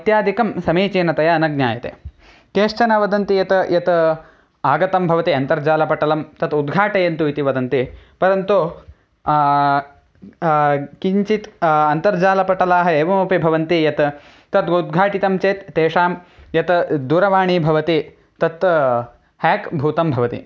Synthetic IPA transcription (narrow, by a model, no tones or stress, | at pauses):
ɐt̪jaːd̪ʱikɐmsɐmeːt͡ʃeːnɐt̪ɐjɐːnɐɡ̚nɲa̰ːjɐt̪ḛː | keːʂt͡ʃɐnɐʋɐd̪ɐnt̪ijɐt̪jɐt̪ | aːɡɐt̪ɐmbʱɐʋɐt̪iɐnt̪ɐɾd͡ʒaːlɐpɐʈɐlɐmt̪ɐt̪ud̪ɡʱaːʈɐjɐnt̪uit̪iʋɐd̪ɐnt̪ipɐɾɐnt̪u | kiɲt͡ʃit̪ɐnt̪ɐɾd͡ʒaːlɐpɐʈɐlaːɦɐeːʋɐmuːpibʱɐʋɐnt̪ijɐt̪ | t̪ɐt̪ud̪̚ɡʱaːʈit̪ɐmt͡ʃeːt̪ːeːʂaːmjɐt̪d̪uːɾɐʋaːɳibʱɐʋɐt̪i | t̪ɐt̪ | hɛːkbʱuːt̪ɐmbʱɐʋɐt̪ḭ